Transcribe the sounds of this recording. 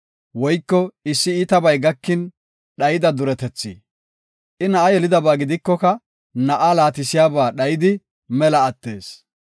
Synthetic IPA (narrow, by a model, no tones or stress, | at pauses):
wɔjkːɔɪsːɪiːt̪ɐbɐjɡɐkːɪn | ɗɐjɪd̪ɐd̪ʊɾɛt̪ɛt͡sːḭː | ʔɪnɐʔɐjɛlɪd̪ɐbaːɡɪd̪ɪkːɔkɐ | nɐʔɐlaːt̪ɪsɪjaːbaːɗɐjɪd̪ɪ | mɛlɐːt̪ːe̞̰ːs